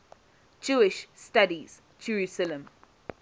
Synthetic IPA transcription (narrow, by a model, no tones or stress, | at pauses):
d͡ʒʉːɪʃstʌdiz̥ | d͡ʒəɹʉˑsələ̃m